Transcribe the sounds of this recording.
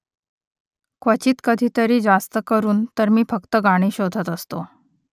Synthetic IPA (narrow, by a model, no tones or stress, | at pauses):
kʋət͡ɕiːt̪kəd̪ʱiːt̪əɾiːd͡zast̪əkəɾuːnt̪əɾmiːfəkt̪əɡaɽ̃iːɕod̪ʱət̪əst̪o